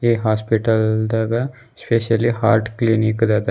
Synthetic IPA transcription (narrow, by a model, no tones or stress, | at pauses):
eːɦaːspiʈəld̪aɡa | speːʃɐliɦaːɾʈkliːnikd̪ad̪a